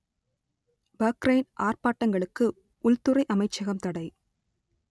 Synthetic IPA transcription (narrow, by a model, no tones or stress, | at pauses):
bɐkɾɐɪnʔaːrpaːʈːɐŋɡɐɭɯkːɯ | ʊlt̪ʊrɐɪʔɐmɐɪt͡ʃːɐɣɐmt̪ɐɽɐɪ